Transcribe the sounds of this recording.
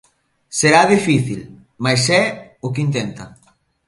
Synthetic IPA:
seɾaðifiθil | majsɛʊkint̪̬ɛnt̪ɐ

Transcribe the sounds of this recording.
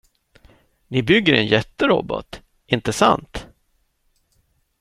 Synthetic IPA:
nɪbʏɡːəɾɛnjɛt̪ːəɾɔ̰bɔ̰t̪ | ɪnt̪əsa̰nt̪

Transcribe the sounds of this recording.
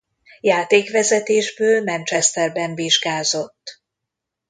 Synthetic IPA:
jaːt̪eːkʋɛzɛt̪eːʒbøːlmɛnt͡ʃɛst̪ɛrbɛɱviʒɡaːzo̞t̪ː

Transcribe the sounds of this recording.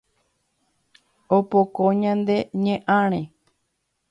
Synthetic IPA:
opokoɲãnd̪e̞ɲẽʔãɾ̃ẽ

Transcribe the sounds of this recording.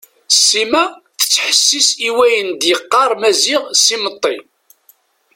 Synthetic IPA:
sːimæθə̥t͡sːħəsːisiwæjənd̪jəqːɑɾˤmæziʁsimət̪ˤːi

